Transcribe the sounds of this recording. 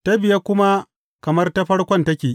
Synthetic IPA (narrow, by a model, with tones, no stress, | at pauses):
ta˦bɪ˨ja˦kʷʊ˦ma˦ | kɐ˨mɐ˦rta˦ɸɐ˦ɽkʷɔ˦ntɐ˦kʲeː˨ʔ